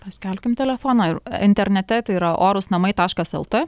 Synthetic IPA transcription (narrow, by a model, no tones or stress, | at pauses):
pɐsʲkʲɛlʲkʲɪmt̪ʲɛlʲɛfoːnɑːɪɾɪnʲt̪ʲɛɾʲnʲɛt̪ʲɛt̪ɐɪiɾɐʔoːɾʊsnɐmɐɪt̪ɑːʃkɐsɛlˠt̪ɪ